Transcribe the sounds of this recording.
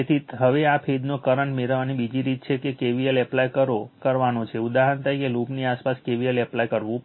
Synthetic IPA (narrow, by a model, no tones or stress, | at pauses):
et̪ʰit̪ɦəʋeapʰed̪nokəɾəɳmeɾʋanibid͡ʒiɾit̪̚t͡ʃʰekekeʋialɛplajkəɾokəɾʋanot͡ʃʰeud̪aɦant̪əɾikelupniaspaskeʋialɛplajkəɾʋũ